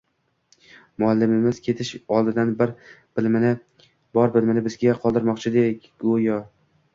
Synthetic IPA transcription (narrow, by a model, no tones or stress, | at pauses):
mʊalːɪmɪmɪz̥kʲʰe̞t̪ʰɪʃɒlˠd̪ɪd̪anbɪɾ | bɪlmnɪ | bɒɾbɪlmɪnɪbɪzɡʲaqʰɒlˠd̪ɪɾmɒqt͡ʃʰɪd̪ekʲɡojɒ